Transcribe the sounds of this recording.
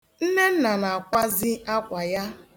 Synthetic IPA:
n̩˦ne˦n̩˦na˨na˨a˨kʷa˦zɪ˦a˦kʷa˨ja˦

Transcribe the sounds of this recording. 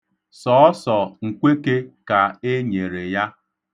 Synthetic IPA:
sɔ˨ɔ˦sɔ˨ŋ̩˨kʷe˦ke˦ka˨e˦ɲe˨ɾe˨ja˦

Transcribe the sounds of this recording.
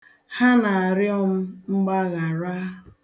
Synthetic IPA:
ha˦na˨a˨ɾjɔ˦m̩˦ŋ͡m̩˦ɡ͡ba˦ɣa˨ɾa˦

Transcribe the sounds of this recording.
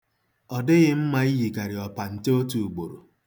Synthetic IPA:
ɔ˨dɪ˦ɣɪ˦m̩˦ma˦i˦ɣi˨ka˨ɾɪ˨ɔ˨pa˨n̩˨te˦o˦tu˨u˨ɡ͡bo˨ɾo̰˨

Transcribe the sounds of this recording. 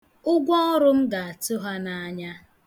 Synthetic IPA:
ʊ˦ɡʷɔ˦ɾʊ˦m̩˦ɡa˨a˨tʊ˦ɦa˦na˨a˦ɲa˦

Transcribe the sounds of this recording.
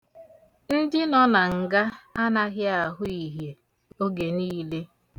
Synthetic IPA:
n̩˦dɪ˦nɔ˦na˨ŋ̩˨ɡa˦a˦na˨ɣɪ˦a˨ɦʊ˦i˨ɦje˨ | o˦ɡe˨niː˦le˦

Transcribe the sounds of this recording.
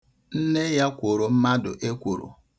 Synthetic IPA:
n̩˦ne˦ja˦kʷo˨ɾo˨m̩˦ma˦dʊ̰˨ʔe˦kʷo˨ɾo̰˨

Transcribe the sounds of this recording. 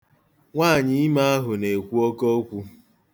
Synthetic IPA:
ŋʷaː˦˨ɲɪ˦ɪ˦ma˦a˦ɦʊ˨ne˨kʷu˦ɔ˦kɔ˦kʷu˦

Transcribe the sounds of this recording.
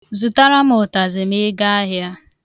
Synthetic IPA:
zu˨ta˦ɾa˦mʊ˨ta˨zɪ˨mɪ˦ɡa˦a˦ɦja˦

